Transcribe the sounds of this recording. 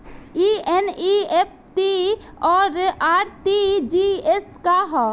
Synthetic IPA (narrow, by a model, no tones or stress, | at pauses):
ieniep̚ʰt̪i | ɔːɾaɾt̪id͡ʒieskaɦɔ